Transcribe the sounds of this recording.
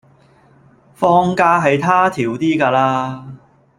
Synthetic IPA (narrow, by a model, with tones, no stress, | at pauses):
fɔː˥ŋkaː˥ɦɐ˨jt̪ʰaː˥t̪ʰiː˨˩wt̪iː˥kaː˧laː˧